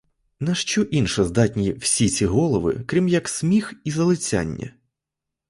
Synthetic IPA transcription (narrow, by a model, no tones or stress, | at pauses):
nɐʃt͡ʃɔʔinʃɐzd̪ɑt̪ʲnʲiwsʲit͡sʲiɦɔlˠɔʋɪ̰kɾʲimjɐksmʲixizɐlˠɪt͡sʲa̰nʲːɐ̰